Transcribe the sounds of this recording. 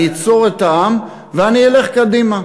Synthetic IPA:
it͡so̞ʁe̞t̪aam | veaniele̞χkad̪ima

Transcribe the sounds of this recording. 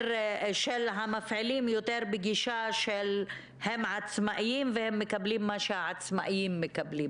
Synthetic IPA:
ɾʃelɦamafʕilimjot̪eɾbeɡiʃaʃel | hemʕat͡smaʔjimvehemːekablimːaʃeaʕat͡smaʔjimːekablim

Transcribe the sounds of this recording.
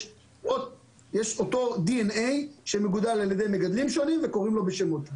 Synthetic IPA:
ot | jeʃot̪o̞d̪ienejʃemeɡud̪alaljad̪ejmeɡad̪limʃo̞nimveko̞ʁimlo̞beʃemot̪a

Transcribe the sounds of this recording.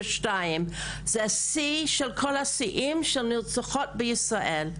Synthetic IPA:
ʃtajɪm | zɛsiʃɛlkʰɔlhasiʔimʃɛlnɪlt͡saχɔt̚bəjɪsʁaʔel

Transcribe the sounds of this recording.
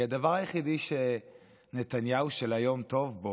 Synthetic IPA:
ad̪avaʁajeχid̪iʃe | ne̞t̪anjauʃelajo̞mt̪o̞vbo

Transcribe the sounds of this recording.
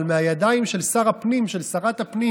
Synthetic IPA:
lmeajad̪aimʃe̞lsaʁapnimʃelsaʁat̪hapni

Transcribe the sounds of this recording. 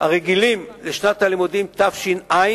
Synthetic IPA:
haʁeɡilimleʃnat̪halimud̪imt̪afʃinaj

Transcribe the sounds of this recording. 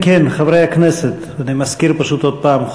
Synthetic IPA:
kenχavɾejakneset̪ | animaskiɾpaʃut̪od̪̚paːm

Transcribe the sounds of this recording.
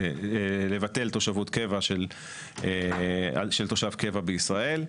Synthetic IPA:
le̞vat̪e̞lt̪o̞ʃavutke̞vaʃel | ea̰ʃelt̪o̞ʃavke̞vabeisʁae̞l

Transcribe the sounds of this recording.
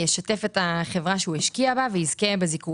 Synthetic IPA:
eʃate̞fetaχe̞vʁaʃeuheʃkiabaveizkebeziku

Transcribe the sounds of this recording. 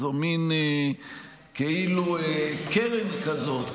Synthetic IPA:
zomin | keiluekeʁemkazo̞t̪

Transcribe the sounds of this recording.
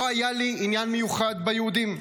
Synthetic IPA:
ajaliinjanmejuχad̪bajehud̪im

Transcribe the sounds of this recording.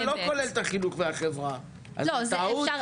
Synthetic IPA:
lo̞ko̞lelt̪aχinuχveaχevʁa | ʔa̰zt̪au

